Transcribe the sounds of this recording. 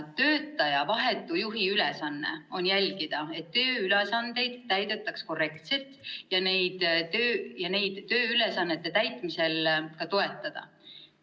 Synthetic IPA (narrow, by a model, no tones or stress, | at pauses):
t̪ø̞ːt̪ːˑɑjɑvɑɦet̪ːˑujuɦiylɛsɑnːe̞̰o̞njælʲɡ̥id̪̥ɑe̞t̪ːø̞ːylesɑnd̪̥e̞jd̪̥t̪æjd̪e̞t̪ːˑɑksko̞re̞kt̪se̞lt̪jɑne̞jd̪̥t̪øːjɑne̞jd̪̥ːø̞ːylesɑnːe̞t̪ˑːe̞t̪æjt̪ˑmise̞lkɑt̪o̞e̞t̪ːˑɑd̪̥ɑ̰